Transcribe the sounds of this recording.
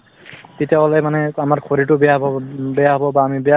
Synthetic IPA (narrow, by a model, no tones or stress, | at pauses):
titjaalɔjmanɛamaɹkʰoɹitʊbɛjaɦbɔbɛjaɦɔbɔbaːmibɛja